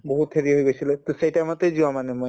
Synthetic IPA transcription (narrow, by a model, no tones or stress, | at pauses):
boɦut̪heɹiɦojɡojsilɛt̪osejtamɔt̪ezuamanɛmoj